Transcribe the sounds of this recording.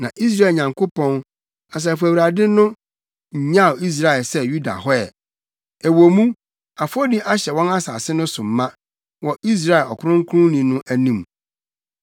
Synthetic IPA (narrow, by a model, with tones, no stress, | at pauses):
nã˨ʔi˦s̬ɾa˦˨ɲã˨ŋkʰo˦pɔ̃˦n | a˨s̬ɛ˨fu˨æ˨wɾa˨dɪ˦nʊ̃˦ | ɲ̩˨ɲã˦˨o˨i˦s̬ɾa˦˨ɛ˨lsɛ˦ju˦da̰˨ɦɔ˦ɛ˨ | æ˨wo˨mũ˦ | a˨fɔ˦di˦ʔa˦ɕɛ˨wɔ̃˦na˦sa˨sɪ˦nʊ̃˦sʊ̃˨m̩ː˨˦ã˦ | wɔ˨ʔi˦s̬ɾa˦ɛ˨ɔ˨kʰʊ˨˦ɾʊ̃˦ŋ˦kʰʊ˦ɾʊ̃˦nĩ˨nʊ̃˦ʔæ˦nĩ˨m